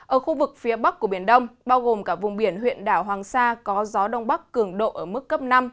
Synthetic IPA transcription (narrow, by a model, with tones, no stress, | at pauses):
ʔəː˧˩xu˧vɨ˨˩k̚fi˨˦əɓa˦˥k̚ku˧˩əɓi˧˩ənɗə˧wŋ͡mɓaː˧wɣo˨˩mkaː˧˩k̚vʊ˨˩ŋ͡mɓi˧˩ənɦwḭ˧˨ənɗaː˧˩wɦwaː˨˩ŋsaː˧kɔ˨˦zɔ˨˦ɗə˧wŋ͡mɓa˦˥kːɨ˧˩əŋɗo̰˧˨ʔəː˧˩mɨ˦˥kːə˦˥p̚na˧m